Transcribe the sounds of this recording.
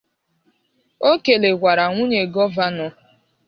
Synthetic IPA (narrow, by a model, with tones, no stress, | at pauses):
o˦ke˨le˨ɡʷa˨ɾa˨ŋʷu˦ɲe˨ɡɔ˦va˦nɔ˨